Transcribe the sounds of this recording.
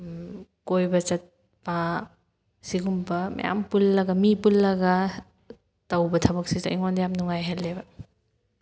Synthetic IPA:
kojbɐt͡ʃɐt̚ | pa | siɡumbɐmɐ̰ja̰mpulːɐɡɐmipulːɐɡɐ | tɐwbɐtʰɐbɐk̚sita̰jŋondɐjamnuŋajɦɐlːebɐ

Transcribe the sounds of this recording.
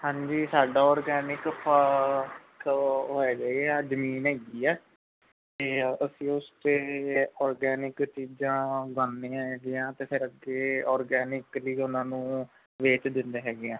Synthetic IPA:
hãːɲd͡ʒiːsaːɖaːɔːɾɡɛːnɪkpʰə | kɦoːɛːɡəiːɛːzəmiːnɦɛːɡiːɛː | t̪eːəsĩːʊst̪eːɔːɾɡɛːnɪkt͡ʃiːd͡ʒãːɡaːnːeːãːɦɛːɡejãːt̪eːpʰɪɾəɡeːɔːɾɡɛːnɪkliːʊnãːnũː | ʋeːt͡ʃd̪ɪnd̪eːɦɛːɡeãː

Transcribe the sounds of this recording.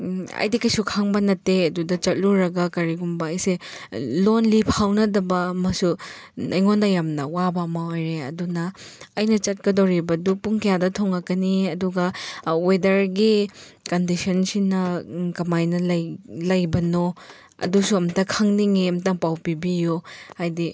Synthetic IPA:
ɐ̰jdikɐjsukʰaŋbɐnɐtːeɐdudɐt͡ʃɐt̚luɾɐɡɐkɐɾiɡumbɐːjselonlipʰawnɐdɐbɐːmɐsunʔɐjŋondɐjamnɐwabɐmɐojɾeɐ̰dunɐːjnɐt͡ʃɐt̚kɐdowɾibɐdupuŋkɐjadɐtʰoŋɐkɐniɐduɡɐwedɐɾɡi | kɐndisɔnsinɐkɐmajnɐlɐlɐjbɐno | ɐ̰dusuɐmtɐkʰaŋniŋeɐmtɐŋpawpibijuhajdi

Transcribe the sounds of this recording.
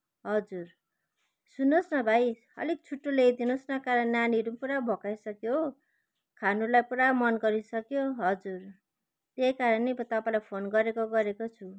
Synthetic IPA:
ɦʌd͡zur | sunːosnʌbʱaj | ʌ̰lek̚t͡sʰuʈːolejd̪inosnʌkaɾʌnaniɾupuɾabʱokajsʌkjo | kʰanulajpuɾamʌnɡʌɾisʌkjoɦʌd͡zur | t̪ejkaɾʌnebʌt̪ʌpaĩlajpʰonɡʌɾekoɡʌɾekot͡sʰu

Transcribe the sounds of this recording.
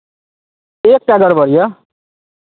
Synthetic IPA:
eːk̚ʈaɡəɾbʱʌɾijʌ

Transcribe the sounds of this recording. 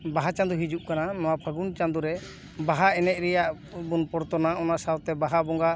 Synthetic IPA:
baɦat͡ʃãnd̪uɦid͡ʒuʔkananɔwapʰəɡunt͡ʃãnd̪uɾɛ | baɦaɛnɛt̪̚ˀɾɛjaʔ | bunpɔɾt̪ɔnaʔɔnaʔsawt̪ɛbaɦabɔŋɡaʔ

